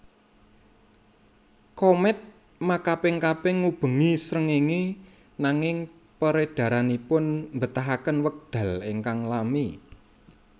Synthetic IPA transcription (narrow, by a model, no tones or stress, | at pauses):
kɔmɛt̪̚ | makapɪŋkapɛŋːub̥ə̤ŋisɾəŋiŋi | naŋɪŋ | pəɾed̥ä̤ɾanipʊnmbət̪aɦakənwək̚d̪̥ä̤lḛŋkaŋlami